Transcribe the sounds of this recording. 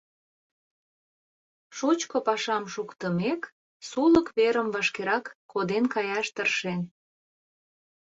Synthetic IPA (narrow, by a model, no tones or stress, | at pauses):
ʃut͡ɕkopɑʃɑmʃukt̪əmek | suləkβeɾəmvɑʃkeɾɑkːʰod̪enkɑjɑʃt̪ərʃen